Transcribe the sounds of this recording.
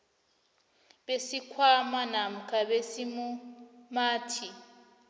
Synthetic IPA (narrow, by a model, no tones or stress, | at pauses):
besikʰwamanam̩kʰʼabesimumaːtʰi